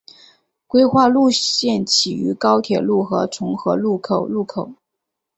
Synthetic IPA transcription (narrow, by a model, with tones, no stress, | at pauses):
kwe˥ɪxwa˥˧lu˥˧ɕjɛ˥˩nt͡ɕʰi˨˩y̰˧˥kɑ˥ʊt̪ʰjɛ˨˩lu˥˩xɤ˧˥t͡sʰʊ˧˥ŋxɤ˧˥lu˥˩kʰo˨˩ʊlu˥˩kʰo˨˩˦ʊ